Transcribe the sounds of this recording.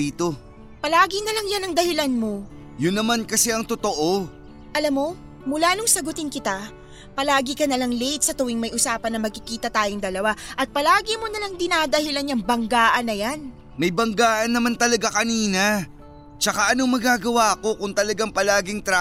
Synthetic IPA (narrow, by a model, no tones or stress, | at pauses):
iːt̪o | pɐlaːɡɪnɐlaŋjanɐŋd̪ɐhɪlanmo | jʊnːɐmankɐsɛɐŋt̪ot̪oʔo̞ | ʔɐlamːo̞ | mʊlaːnʊŋsɐɡʊt̪ɪnkɪt̪a | pɐlaːɡɪkɐnɐlaŋlejt̪̚sɐt̪ʊwɪŋmɐjʔʊsaːpɐnːɐmɐɡ̚kɪkiːt̪ɐt̪aːjoŋd̪ɐlɐwaʔɐt̪̚pɐlaːɡɪmonɐlaŋd̪ɪnaːd̪ɐhɪlanjɐŋbɐŋɡaːʔɐnːɐjan | mɐjbɐŋɡaːʔɐnːɐmant̪ɐlɐɡakɐniːna | t͡ʃɐkaʔɐnomɐɡaːɡɐwaɐko̞kʊŋt̪ɐlɐɡaŋpɐlaːɡɪŋt̪ɾa